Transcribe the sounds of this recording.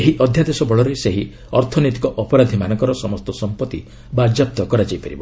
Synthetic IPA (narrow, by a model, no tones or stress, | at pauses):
eɦiʔɔd̪ʱjad̪esɔbɔɭɔɾeseɦi | ɔɾt̪ʰɔnit̪i̥kɔʔɔpɔɾad̪ʱimanɔŋkɔɾɔsɔmɔst̪ɔsɔmpɔt̪i | bad͡ʒap̚t̪ɔkɔɾad͡ʒajpaɾibɔ